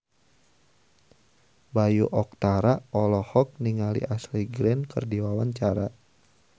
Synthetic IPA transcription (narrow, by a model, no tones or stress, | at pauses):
bajuʔɔk̚t̪aɾaɔlɔhɔk̚niŋalḭʔasliɡɾɛnkə̰rdiwawaɲt͡ʃaɾa